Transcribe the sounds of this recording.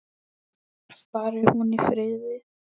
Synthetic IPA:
vaːɾɪhunifɾɪːðɪ

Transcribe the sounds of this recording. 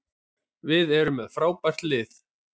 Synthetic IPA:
vɪðɛɾʏmːɛðfɾaːwpar̥t̪lɪθ

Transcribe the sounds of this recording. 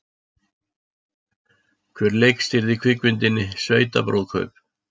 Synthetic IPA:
kʰvɛːɾleːjkst̪ɪɾðɪkʰvɪkvʏnt̪ɪnːɪsveːɥt̪a̰pɾo̰wðkʰœ̰ɥp

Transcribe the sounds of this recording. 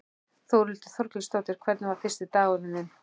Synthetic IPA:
θowɾʏl̥t̪ɪ̥θɔɾkliŋst̪oːt̪ɪɾ̥kʰvɛɾt̪nɪvaɾ̥fɪst̪ɪt̪aːɣʏnɪnɪn

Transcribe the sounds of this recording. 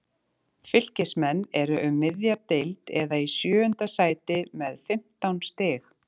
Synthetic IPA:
fɪl̥cɪsmɛnːɛɾʏʔʏmːɪðjat̪ejlt̪ɛðaisjœːʏnt̪asaːjt̪ɪmɛðfɪm̥t̪awnst̪ɪːx

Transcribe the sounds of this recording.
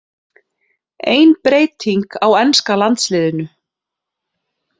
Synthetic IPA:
eːjnpɾeːjt̪ʰiŋkawɛnskalant̪slɪːðɪnʏ

